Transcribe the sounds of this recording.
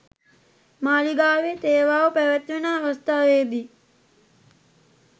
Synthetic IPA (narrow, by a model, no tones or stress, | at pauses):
maːliɡaːʋet̪eːʋaːʋəpæʋæt̪ʋenaːɦost̪aːʋeːd̪i